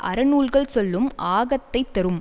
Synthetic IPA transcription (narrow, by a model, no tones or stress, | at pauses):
ʔɐ̰ɾɐnuːlɣɐɭsɔlːɯmʔaːɣɐt̪ːɐɪt̪ːɐɾɯm